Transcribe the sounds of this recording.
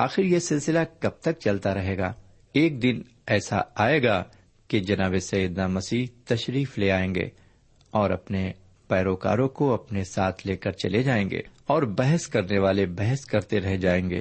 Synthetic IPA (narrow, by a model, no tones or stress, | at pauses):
aːxɪɾjesɪlsɪlakɐb̚t̪ɐk̚t͡ʃɐlt̪aɾɐɦeːɡa̰ː | eːk̚d̪ɪn | ɛːsa̰aːeːɡaː | ked͡ʒɐnaːβesɐjəd̪namɐsiːt̪ɐʃɾiːfleaːẽːŋɡḛː | ɔːɾɐ̰pne | pɛːɾoːka̰ːɾõkoɐpnesaːt̪ʰleːkɐɾt͡ʃɐ̰led͡ʒaːẽːŋɡḛːɔːɾbɛɦəskɐɾneʋaːlebɛɦəskɐɾt̪eɾɐɦed͡ʒaːẽːŋɡḛː